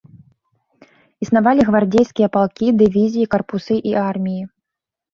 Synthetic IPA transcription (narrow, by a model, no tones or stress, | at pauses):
isnavalʲiɣvard͡zʲejskʲijɐpalˠkʲid̪ɨvʲizʲijikɐrpusɨʔiʔarmʲiji